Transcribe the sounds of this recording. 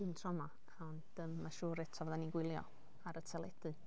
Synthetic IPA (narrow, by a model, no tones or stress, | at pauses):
mtʰrɔma | ɔnd̥əmːaʃuːɾɛtʰɔvɔðaniɡwɪlˠjɔ̰ | aɾətʰɛlˠɛdɨ